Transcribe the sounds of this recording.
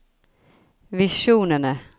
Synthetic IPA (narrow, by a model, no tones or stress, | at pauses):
vɪʂuːnənə